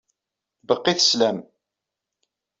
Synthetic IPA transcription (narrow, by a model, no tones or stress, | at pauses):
bəqːiθə̥slæm